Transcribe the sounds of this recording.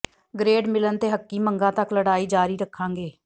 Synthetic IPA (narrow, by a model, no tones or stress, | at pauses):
ɡɾeːɖmɪlənt̪eːɦəkːiːməŋɡãːt̪əkləɽaːiːd͡ʒaːɾiːɾəkʰːãːŋɡeː